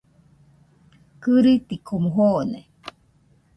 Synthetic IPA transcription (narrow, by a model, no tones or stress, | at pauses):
kɨɾit̪ikʰomuɦone